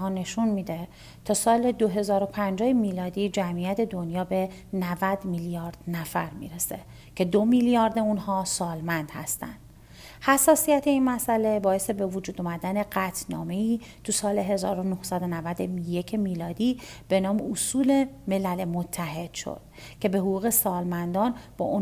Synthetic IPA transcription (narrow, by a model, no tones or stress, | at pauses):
hɒːne̞ʃunmiːd̪e̞ | t̪ʰɒːsɒːle̞d̪oɦe̞zɒːɾo̞pʰænd͡ʒɒːhemiːlɒːd̪iːd͡ʒæmijæt̪ʰe̞d̪o̞njɒːbe̞ | nævæd̪miljɒːɾd̪̥næfæɾmḭːɾese̞ | cʰe̞d̪omiljɒːɾd̪e̞unhɒːsɒːlmænd̪̥hæ̰st̪æ̰nd̪̥ | hæsːɒːsijæt̪ʰe̞inmæsʔæle̞bɒːe̞st̪ebevod͡ʒuːd̪omæd̪æne̞ɢæt̪ʰnɒ̰ːme̞iːt̪ʰusɒːle̞ɦe̞zɒːɾonohsæd̪o̞nævæd̪eje̞cʰemiːlɒːd̪iːb̥e̞nɒːmeusuːle̞me̞lælemot̪ʰːæhe̞d̪̥ʃo̰d̪̥cʰe̞beɦoɡuːɣe̞sɒːlmænd̪ɒːnb̥ɒ̰ːʔun